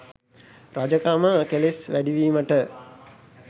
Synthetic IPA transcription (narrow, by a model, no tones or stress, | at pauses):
ɾad͡ʒəkaməkelesʋæɖiʋiːməʈə